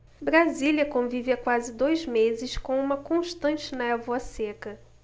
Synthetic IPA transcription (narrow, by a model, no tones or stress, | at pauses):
bɾaziljɐkõviviɐkwazɪd̪ojzmezɪskõũmɐkõʃt̪ɐ̃t͡ʃɪnɐɛvuɐsekɐ